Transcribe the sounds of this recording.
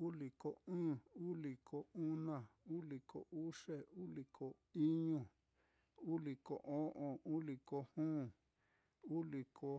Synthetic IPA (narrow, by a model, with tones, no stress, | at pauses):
u˦li˨ko˨ɨ̃ː˦u˦li˨kʰo˨u˦nã˦˨u˦li˨kʰo̰˨u˦ʂe˦˨u˦li˨kʰo˨ | i˦ɲũ˧˨ | u˦li˨ko̰˨ʔõ˦ʔõ˨u˦li˨ko˧hũː˦˨ | u˦li˨kʰo˧